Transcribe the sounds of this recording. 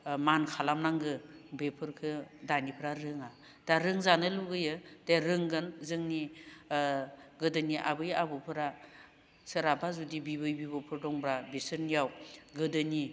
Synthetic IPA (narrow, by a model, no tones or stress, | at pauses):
mankʰalamnaŋɡɯbepʰɯɾkʰɯdanipʰɯɾaɾɯŋa | d̥aɾɯŋzanɯluɡɯjɯd̥eɾɯŋɡɯnzɯŋni | ɡɯdɯniʔa̰bɯjabɯpʰɯɾa | sɯɾabazudibibɯjbibɔpʰɯɾdɔŋbɾabisɯnjawɡɯdɯni